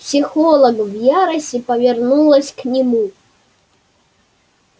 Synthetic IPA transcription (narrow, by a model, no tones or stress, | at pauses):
psʲixɔlˠɐɡvjaɾɐsʲɪpɐvʲɪrnulˠɐsʲknʲimu